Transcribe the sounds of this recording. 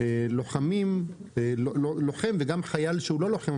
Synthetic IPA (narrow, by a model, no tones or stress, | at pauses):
elo̞χamim | elololoχemveɡamχajalʃeulo̞lo̞χem